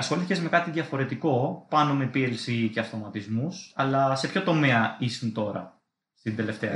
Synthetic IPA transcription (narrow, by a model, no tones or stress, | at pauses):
ɐsxoliθicezme̞kɐt̪iðʝɐfo̞ɾe̞t̪iko̞pɐno̞me̞pielsice̞ɐft̪omɐt̪izmusɐlɐse̞pço̞t̪o̞meɐisunt̪o̞ɾɐ̰ | st̪ind̪e̞le̞ft̪e̞ɐ